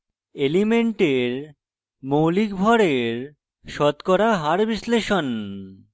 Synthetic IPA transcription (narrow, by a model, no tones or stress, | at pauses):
elimeɳʈeɾ | mowlikbʱɔɾeɾ | ʃɔt̪kɔɾaɦaɾbisleʃon